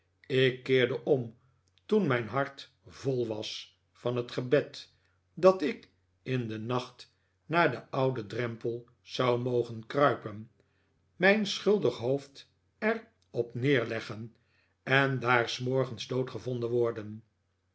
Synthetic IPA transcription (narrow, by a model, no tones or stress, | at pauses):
ɪkːɪːɹdəʔɔm | tunmɛjnɦɑɹt | volˠʋɑs | fɑnətχəbɛt | dɑtɪk | ɪndənɑχt | naːɹdəʔɑwdədrɛmpəlˠ | z̥ɑwmowχənkrœɥpən | mɛjnsχɵlˠdəχɦowft | ɛr | ɔpnɪːɹlɛχən | ɛndaːɹsmɔɹχənzdowtχəvɔndənʋɔɹdən